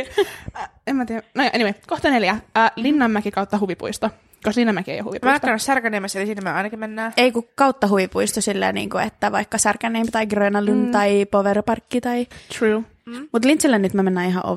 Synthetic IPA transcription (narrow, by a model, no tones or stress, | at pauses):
emmæt̪iːænojʔenimekoht̪ɑneljæəːlinːɑmmækikɑut̪ːɑɦuʋipṵist̪o | koslinːɑmækiḛjo̰hṵʋipmæɑk̪t̪ːɑnːɑsærkæneːmːæselisinːemøɑinɑkimmenːæːeikukɑuwt̪ːɑɦuʋipuist̪osilːḛnḭːŋkuet̪ːæʋɑikːɑsærkænˑeːmpt̪ɑiɡreːnɑlynt̪ɑipoʋerpɑrkːit̪ɑit̪ruː | mut̪lint̪silːenyt̪mømenːæːiɦɑ̰ʔo̰